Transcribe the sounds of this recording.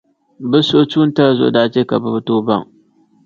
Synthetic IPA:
bɨ˦so˦t͡ʃu˦n˦tɐ˦ɾzo̰˨daː˦t͡ʃe˦ka˨ba˦btoː˦bɐ̰˦˨ŋ

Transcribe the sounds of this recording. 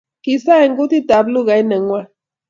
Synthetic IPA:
ki˨sa˦e˨ŋ̩˦ku˦ti˦ta˨blu˦ɣa˨i˦nə˨ŋwa˦

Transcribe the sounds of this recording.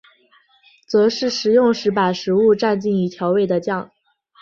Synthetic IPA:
t͡sɤ˧˥ʂɻ̩˥˩ʂɻ̩˨˩jʊ˥˩ŋʂɻ̩˧˥pa˨˩ʂɻ̩˧˥u˥˧ʈ͡ʂa˥˧nt͡ɕi˥˩ŋi˧˥t̪ʰjɑ˧˥ʊwe˥˩ɪd̪ə˩t͡ɕjɑ˥˩ŋ

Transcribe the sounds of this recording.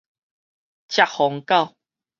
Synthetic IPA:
t͡ɕja˧˨ʔhɔ˨˧ŋka˥˧w

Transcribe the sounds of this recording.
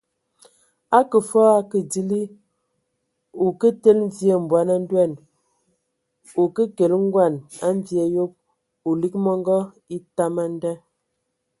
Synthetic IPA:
a˦kə˨fɔ˦a˦kə˨di˦li˦ | u˨kə˦te˦lm˦vje˦˨m̩˨bwa˨˦na˦n̩˦dwɛ˦˨n | u˨kə˦ke˨lŋ̩˦ɡwa˦˨na˦ɱ˦vjɛ˨jo˦p̚ | u˨li˦k̚mɔ˦ŋ˦ɡɔ˦ | i˦ta˦ma˦n˦dɛ˦

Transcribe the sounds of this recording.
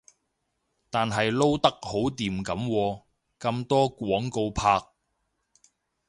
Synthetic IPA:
t̪aː˨nɦɐ˨jlo˥wt̪ɐ˥k̚ho˨˥wt̪iː˨mkɐ˨˥mwɔː˧ | kɐ˧mt̪ɔː˥kʷwɔː˨˥ŋko˧wpʰaː˧k̚

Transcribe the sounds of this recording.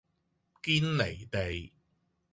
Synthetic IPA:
kiː˥nle˨˩jt̪e˨j

